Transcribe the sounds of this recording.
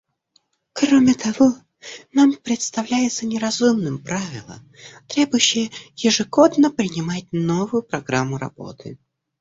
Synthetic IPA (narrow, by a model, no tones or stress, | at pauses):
kɾomʲɪt̪ɐvo̞ | nampɾʲɪt̪st̪ɐvlʲæjɪt̪sənʲɪɾɐzumnɨmpɾavʲɪlˠə̰m | t̪ɾʲe̞bʊjʊɕːɪjəjɪʐɨɡo̞d̪nəpɾʲɪnʲɪmat̚ʲno̞vʊjʊpɾɐɡɾamːʊɾɐ̰b̥o̞̰t̪ʰɨ̰